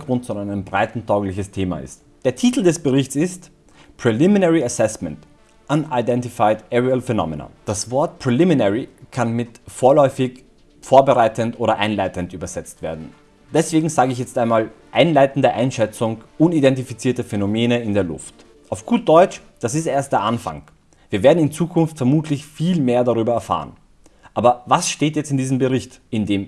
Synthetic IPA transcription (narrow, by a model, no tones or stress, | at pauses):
ɡ̥ʁʊntt͡sʊaɪnəmbʁaɪtn̩tʰaʊɡlɪçəstʰeːma̰ʔɪ̰st | d̥eːɐtʰiːtl̩dɛsb̥əʁɪçtt͡sɪst | pʁ̥ɛlɪminɛʁiasɛsmɛ̃nt | ʔanaɪdɛntifaɪtʔɛʁialfɛnɔ̰mɛna̰d̥asv̥ɔɐt̚pʁ̥ɛlɪminɛʁikʰanmɪtfoːɐlɔʏfɪç | foːɐbəʁaɪtəntʔoːɾɐʔaɪnlaɪtəntʔyːbɐzɛt͡stv̥eːɐdn̩ | d̥ɛsv̥eːɡŋ̩zaːɡəɪçjɛt͡stʔaɪnmaːlʔaɪnlaɪtn̩dəʔaɪnʃɛt͡sʊŋʔʊnidɛnt̬ifit͡siːɐtəfɛnomeːnəɪndeːɐlʊ̰ft | ʔaʊfɡ̥uːt̚d̥ɔʏt͡ʃ | d̥as̬ɪstʔeːɐst̚d̥eːɐʔanfa̰ŋ | v̥iːɐveːɐdn̩ɪnt͡suːkʰʊnftfɛɐmuːtʰlɪçfiːlmeːɐdaʁyːbɐɛɐfa̰ːʁə̰n | ʔaːbɐvasʃteːtjɛt͡stɪndiːzəm̩bəʁɪçt | ɪndeːm